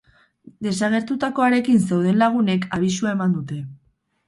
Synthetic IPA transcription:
d̪e̞saɣe̞ɾt̪ut̪ako̞aɾe̞kinse̞wð̞e̞nlaɣ̞une̞kaβ̞isuae̞mand̪ut̪e̞

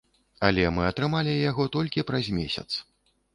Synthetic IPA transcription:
alʲɛmɨɐt̪ɾɨmalʲijaɣɔt̪ɔlʲkʲipɾɐzʲmʲesʲɐ̰t̪s

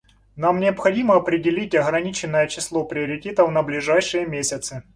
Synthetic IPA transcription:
namnʲɪɐpxɐdʲiməɐpɾʲɪdʲɪlʲitʲɐɣɾɐnʲit͡ɕɪnːəjət͡ɕɪslˠopɾʲɪəɾʲɪtʲet̪əfnəblʲɪʐajʂɨjəmʲesʲɪt̪sɨ

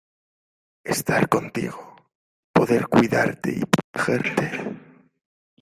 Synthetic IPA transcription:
est̪aɾko̞nt̪iɣo | po̞ðeɾkwiðaɾt̪e̞̰ḭpxeɾt̪e

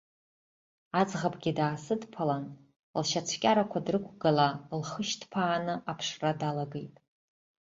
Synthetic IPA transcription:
ad͡zʁabʰʼɡʲɪdaːsɨdpʰalan | lʃat͡sʷʰkʲʼaɾakʷʰadrɨkʷʰɡalalχəʃtʰpʰaːnɨʔapʰʂradalaɡejtʼ

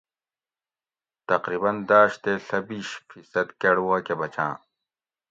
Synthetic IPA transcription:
t̪ɐqɾibɐnd̪aːɕt̪eɬɐbiɕfʰisɐt̪keɽuwɐːkebɐt͡ɕã̰ː

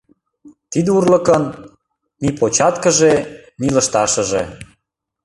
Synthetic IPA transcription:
t̪id̪eurlə̆kənː | ipot͡ɕɑt̪kəʒenilə̆ʃt̪ɑʃəʒḛ

